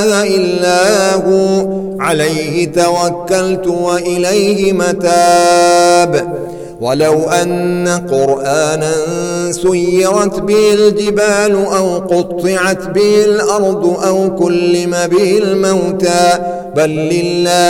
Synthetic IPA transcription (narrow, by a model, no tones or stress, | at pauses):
haʔɪlːaːhʊ | ʕalajhɪt̪awakːalt̪ʊwaʔɪlajhɪmat̪aː | b | walawʔanːaqʊɾʔaːnansʊjːɑɾˤɑt̪bɪhɪld͡ʒɪbaːlʊʔawqʊt̪ˤːɨʕat̪bɪhɪlʔɑɾˤd̪ˤʔawkʊlːɪmabɪhɪlmawt̪aː | balːɪlːaː